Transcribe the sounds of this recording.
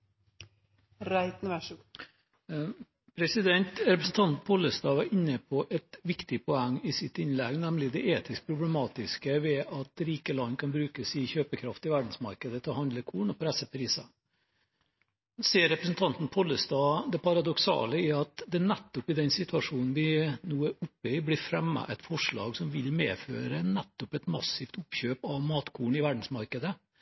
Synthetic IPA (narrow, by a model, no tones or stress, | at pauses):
ɾæɪt̪nʋæʂ | pʰɾɛsɪd̪ɛnt̪ɾɛpɾəsn̩t̪ʰɑnt̪n̩pʰɔlːəst̪ɑːʋəʔɪnːəpʰɔʔɛt̪ʋɪkt̪ɪpʰɔæŋːɪsɪt̪ɪnlɛɡnæmlɪd̪ɛʔeːt̪ʰɪsk̚pʰɾʊblɛmɑːt̪ɪskəʋɛʔɑt̪ɾiːkəlɑnːkʰɑnbɾʉːkəsɪçøːpəkʰɾɑft̪ɪʋæɖɳ̩smɑ̰ɾkəd̪ət̪ʰɑhɑnd̪ləkʰuːɳɔpʰɾæsəpʰɾiːsə | seːɾɛpɾəsn̩t̪ʰɑnt̪n̩pʰɔlːəst̪ɑːd̪ɛpʰɑɾɑd̪ɔksɑ̰ːləɪɑt̪d̪ɛnɛt̪ːɔpɪd̪ɛnsɪt̪ʉɑʂuːnn̩ʋɪnuːæɾʊpːəɪblɪfɾɛmːɑ̰ʔɛt̪fɔʂɭɑ̰ːɡsɔmʋɪlmeːfø̰ːɾənɛt̪ːɔpɛt̪mɑsɪft̪ʊpɕçøːpɑʋmɑːt̪kʰuːɳɪʋæɖɳ̩smɑɾkəd̪ə